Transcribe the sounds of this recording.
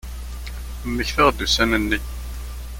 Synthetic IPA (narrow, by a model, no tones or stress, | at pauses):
mːəçθəʁd̪usænənːəç